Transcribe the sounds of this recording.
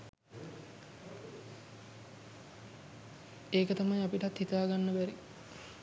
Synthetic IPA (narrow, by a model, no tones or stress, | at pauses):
eːkət̪amajapiʈat̪hit̪aːɡanːəbæɾi